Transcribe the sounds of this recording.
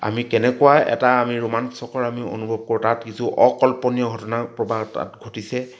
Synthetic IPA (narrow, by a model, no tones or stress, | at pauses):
a̰mikɛnɛkuaɛ̰taːmiɹumansɔkɔɹamio̰nubʱɔb̚koɹutatkisuʔɔkɔlpɔnijɔɡʱɔtɔnapɹɔbʱaɡɔta̰tɡʱotisɛ